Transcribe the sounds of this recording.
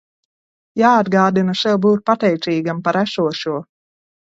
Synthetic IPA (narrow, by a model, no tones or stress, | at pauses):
jaːad̪ɡaːd̪inaʃɛwbuːt̪̚pat̪ɛjt̪siːɡampaɾæsuɔʃuɔ